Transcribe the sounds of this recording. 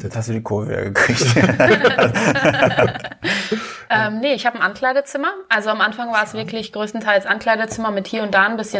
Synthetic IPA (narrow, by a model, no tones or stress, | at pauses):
jɛt͡shastd̥uːdiːkʰoːvvḭɐ̰ɡəkʁ̥içt | ʔɛːmnəɪçhaːbmʔankl̥aɪɾət͡sɪmɐʔalzoamʔanfaŋvaːɐɛsv̥ɪɐklɪçɡ̥ʁøːstn̩tʰaɪlsʔankʰl̥aɪɾət͡sɪmɐmɪthiːɐʊnt̚d̥aːnbɪsçə